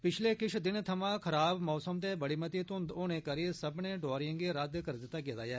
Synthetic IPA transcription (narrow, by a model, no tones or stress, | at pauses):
pɪt͡ʃʰleːkɪt͡ʃʰd̪ɪnt̪ʰəmãːkʰəɾaːbmɔːsəmt̪eːbəɽeːmət̪iːt̪ʊ̃nd̪oːnẽːkəɾisəbnẽːɖɔːɾɪə̃ŋɡeːɾəd̪kəɾd̪ɪt̪ːaːɡɪt̪a̰ːjɛː